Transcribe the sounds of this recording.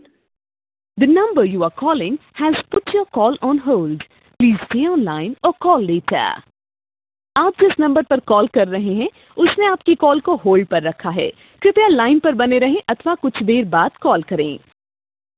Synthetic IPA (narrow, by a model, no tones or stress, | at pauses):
d̪ənɐ̃mbəɾjuːaːkɔːlɪ̃ŋhɛzpʊʈjɔːkɔːlɔ̃ːnɦoːlɖ | pliːz̥teːɔ̃ːnlaːɪ̃nɔːkɔːlːeːʈʰə̰ | aːp̚d͡ʒɪsnɐ̃mbəɾpɐɾkɔːlkɐɾːɐɦeɦɛ̃ | ʊsneaːp̚kikɔːlkoɦoːlɖ̚pɐɾːɐkʰaɦɛ̰ː | kjʊ̃t̪alaːɪnpɐɾbɐneɾɐɦẽʔɐt̪ʰʋakʊt͡ʃʰd̪eːɾbaːd̪kɔːlkɐɾḛ̃ː